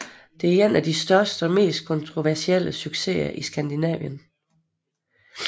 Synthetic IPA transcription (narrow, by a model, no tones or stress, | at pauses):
d̥e̝ɐenæd̥isd̥ɶɐsd̥əme̝̰ːsd̥̚kʰɔ̽nt͡sʰʁo̝ʋæɐsiel̰əsyɡ̥se̝̰ɐʔisɡ̥ænd̥inɛ̰ʋjən